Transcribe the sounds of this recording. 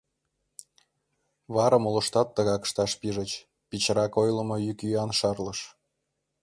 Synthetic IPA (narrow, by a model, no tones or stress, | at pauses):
βɑɾəmolŏʃt̪ɑt̪ːəɣɑkʃt̪ɑʃpiʒə̆t͡ɕ | pit͡ɕɾɑkojlə̆mojykyɑnʃɑrləʃ